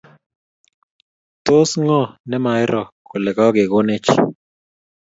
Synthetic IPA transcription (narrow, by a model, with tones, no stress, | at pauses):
t̪o˦sŋɔ˦˨nɛ˦ma˨ɪ˦ɾɔ˨ko˨lɛ˨kɔ˦ɡe˨ɡo˦ne˦t͡ʃ